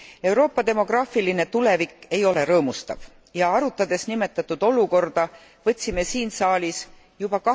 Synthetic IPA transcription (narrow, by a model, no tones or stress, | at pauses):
e̞wɾo̞ːpːˑɑd̪e̞mo̞ɡ̥rɑːfiline̞t̪ule̞vikˑːe̞jo̞le̞ɾɤ̞ːmust̪ɑ̰v̥ | jɑɑɾut̪ːˑɑd̪̥e̞snime̞t̪ːˑɑt̪ːˑud̪̥o̞luko̞rd̪̥ɑ | vɤ̞t̪ʲsime̞siːnsɑːlʲis | jub̥ɑkɑ